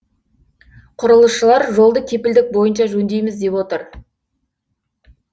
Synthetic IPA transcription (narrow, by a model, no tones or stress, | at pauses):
qʰʊɾəlˠəsʃəlˠɑɾʒo̞lˠd̪əkʲʰe̞pɪld̪ɪk̚bo̞jənʃɑʒɵnd̪e̞jmɪzd̪e̞pwot̪əɾ